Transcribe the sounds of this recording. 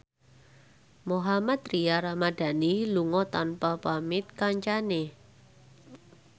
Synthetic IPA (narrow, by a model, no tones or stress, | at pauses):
moɦamat̪ɾiaɾamad̥a̤niluŋɔt̪anpapamɪt̪̚kaɲt͡ʃane